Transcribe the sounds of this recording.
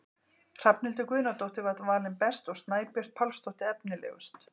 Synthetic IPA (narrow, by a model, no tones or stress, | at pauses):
r̥apnɪlt̪̬ʏkvʏːnat̪owht̪ɪvat̪vaːlɪnpɛst̪ɔɣst̪naːjpjœr̥t̪̚pʰalst̪owht̪ɪɛpnɪlɛ̰ːɣʏ̰st̪